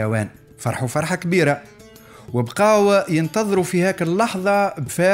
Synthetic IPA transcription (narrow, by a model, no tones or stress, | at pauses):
wæːn | fɑɾˤħufɑɾˤħɑkbiːɾa | wəbqɑːwajənt̪ɑðˤɾufihæːkəlːɑħðˤɑbfæː